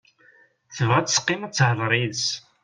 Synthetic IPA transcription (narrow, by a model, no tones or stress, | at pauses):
θəvʁæt͡sːsqːɪmæt͡sːhəlˤɾˤiðs